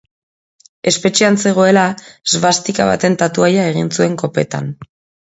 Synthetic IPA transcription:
e̞spe̞t͡ʃiant͡se̞ɣ̞o̞e̞lazβast̪ikaβa̰t̪e̞nt̪at̪uajae̞ɣ̞insue̞ŋko̞pe̞̰t̪a̰n

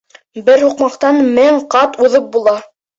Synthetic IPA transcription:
bɘɾhuqmɑqt̪ɑnmɘɴqɑt̪uðɤp̚bulˠɑ

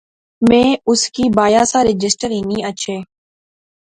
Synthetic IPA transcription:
mẽːʊskiːbaːjaːsaːɾɪd͡ʒɪsʈəɾɦinĩːət͡ʃʰeː

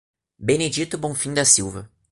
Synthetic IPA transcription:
bened͡ʒit̪ʊbõfĩŋd̪ɐsiwvɐ

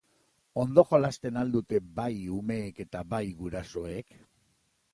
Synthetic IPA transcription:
o̞nd̪o̞xolast̪e̞nald̪ut̪e̞bajume̞ːke̞t̪aβajɣuɾaso̞e̞k

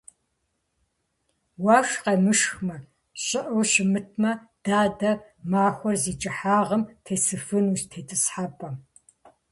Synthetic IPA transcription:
waːʂqɐmɨʃxmɐ | ɕʼɪʔɐwʃɪmɨtʰmɐ | d̥aːdɐ | maːxʷɔrziːt͡ʃʼɨħaːʁɐmtʰeːsɨfɨnuːɕtʰeːtʰɨsħapʼɐ

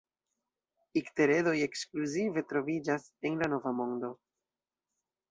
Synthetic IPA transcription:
ikte̞ɾe̞do̞je̞kskluzive̞tɾo̞vid͡ʒase̞nlano̞vamo̞ndo̞

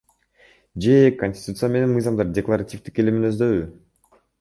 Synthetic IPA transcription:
d͡ʒe̞konʲsʲt̪ʲi̥t̪ut̪sɨjame̞ne̞nmɨjzɑmd̪ɑɾdʲeklˠaɾatʲift̪i̥kelʲiminø̞zd̪ø̞βy

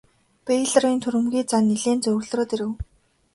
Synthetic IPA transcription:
peɮriːnt̪ʰuɾɘ̆mɡʲiːt͡saniɮeːnt͡sɵw̆rɮ̆ɾoːt̪iɾɘ̆w

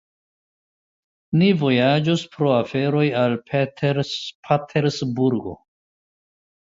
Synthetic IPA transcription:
nivo̞jad͡ʒospɾo̞afe̞ɾo̞jalpʰetɾpʰatʰeɾsbuɾɡo̞̰

